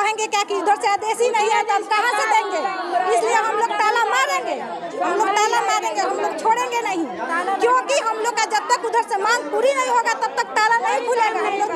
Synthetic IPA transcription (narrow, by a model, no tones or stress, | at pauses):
kəɦɛ̃ŋɡekjakiud̪ʱəɾsẽad̪esinəɦiat̪alkaɦãsẽd̪ẽŋɡeislijeɦəmloɡ̚ʈalamaɾẽŋɡe | ɦəmloɡ̚ʈalamaɾẽŋɡeɦəmloɡt͡ʃʰoɽɛ̃ŋɡenaɦikjõkiɦəmloɡkad͡ʒəb̚t̪ːəkud̪ʱəɾsẽmãŋɡpuɾinəĩɦoɡat̪əb̚t̪ək̚ʈalanəɦĩpʰulẽŋɡaɦəmloɡ